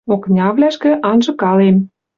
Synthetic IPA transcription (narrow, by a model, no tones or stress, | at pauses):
oknʲɑβlʲæʃkɘ̆ʔɑnʒɤ̆kɑlem